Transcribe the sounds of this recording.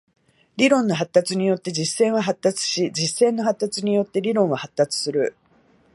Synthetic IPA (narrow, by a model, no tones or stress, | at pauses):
ɾʲiɾõ̞nːo̞ɦat̪ːat͡sɨɲ̟ijo̞t̪ːe̞d͡ʑisẽ̞ɰ̃βaɦat̪ːat͡sɨ̥ɕid͡ʑisẽ̞nːo̞ɦat̪ːat͡sɨɲ̟ijo̞t̪ːe̞ɾʲiɾõɰ̃βahat̪ːat͡sɨ̥sɨɾɯ̟